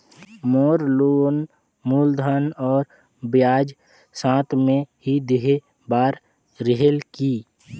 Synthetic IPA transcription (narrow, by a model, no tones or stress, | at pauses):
mɔːɾloːn | muːld̪ʱanɔːɾ | bjaːd͡ʒ | sãːt̪ʰmẽhid̪eɦe | baːɾ | ɾeɦelkiː